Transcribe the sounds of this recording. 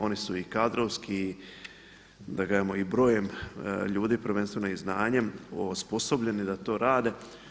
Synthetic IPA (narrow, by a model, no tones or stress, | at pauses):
o̞nisuikad̪ɾoʋski | d̪aɡaamoibɾo̞ːjemʎuːd̪ipɾʋenst̪ʋe̞noiznaːɲeosposo̞bʎe̞nid̪at̪o̞ːɾaːd̪e̞